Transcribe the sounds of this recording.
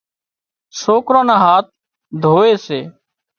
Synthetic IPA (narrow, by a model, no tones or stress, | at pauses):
soːkɾãːnãːɦaːt̪̚ | d̪ʱoːeːseː